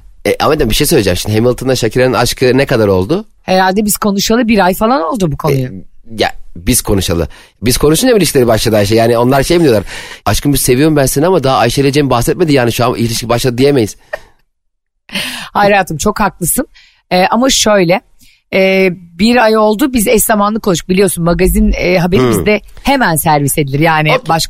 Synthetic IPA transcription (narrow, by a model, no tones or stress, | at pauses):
ɛʔa̰med̪imbiʃe̞jsøjlʲed͡ʒɛ̰mʃimd̪ɦemilˠt̪ʰond̪aʃacʰiɾaninaʃkʰɯnekad̪aɾo̞lˠd̪ʊ | heɾalʲd̪ɛbiz̥kʰo̞nuʃalˠɯbiɾajfalˠano̞lˠd̪ubukʰo̞ujʊja̰biz̥kʰo̞nuʃa̰lˠɯ̰ | biz̥kʰo̞nuʃund͡ʒamilʲiʃcʰilʲeɾibaʃlˠad̪ɯajʃajaːnio̞nlˠaɾʃejmid̪ijolˠaɾaʃkʰɯnmbiz̥se̞vijo̞ɾumbænsinamad̪aɦaajʃelʲed͡ʒejmbaxsɛt̪̚med̪ijaːniʃuamilʲiʃcibaʃlˠad̪ɯd̪ijeme̞jiz̥ | hajɾaːt̪ʰɯmt͡ʃʰo̞khaklˠɯsɯn | ɛːʔamaʃø̞jlʲɛ | ɛːbiɾajo̞lˠd̪ubizɛszamanlˠɯkʰouʃɯ̥k̚bilʲijo̞ɾsunmaɡazinɦabeɾibid̪ɛhe̞mænsæɾvised̪ilʲiɾjaːnibaʃk